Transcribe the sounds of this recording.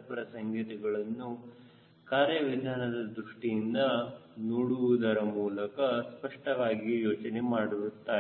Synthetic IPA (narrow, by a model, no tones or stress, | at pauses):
pɾɐsɐŋɡit̪iɡɐɭɐnːu | kaːɾjɐʋid̪ʱaːnɐd̪ɐd̪ɾuʂʈijind̪ɐnoːɽuʋud̪ɐɾɐmuːlɐkɐspɐʂʈɐʋaːɡijoːt͡ʃɐnemaːɽuɾut̪ːaː